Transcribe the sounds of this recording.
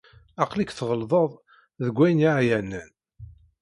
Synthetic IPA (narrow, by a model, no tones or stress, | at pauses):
ɑqlikθʁəlðˤəðˤ | ðəɡʷːæjniʕjænːən